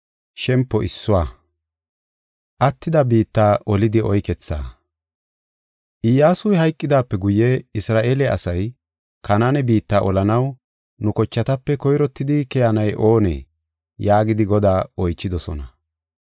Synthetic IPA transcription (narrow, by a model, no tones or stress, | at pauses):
ʃɛmpːɔʔɪsːʊwaː | ʔɐt̪ːɪd̪ɐbiːt̪ːaːʔɔlɪd̪ɪɔjkɛt͡sːa̰ː | ʔɪjaːsʊjɦɐjkʼːɪd̪aːpːɛɡʊjːɛɪsɾaːʔeːlɛʔɐ̰sɐj | kɐnanɛbiːt̪ːaːʔɔlɐnɐw | nʊkɔt͡ʃːɐt̪ɐpːɛkɔjɾɔt̪ːɪd̪ɪkɛjanɐjʔoːnɛ̰ | jaːɡɪd̪ɪɡɔd̪aːɔjt͡ʃːɪd̪ɔsɔ̰nɐ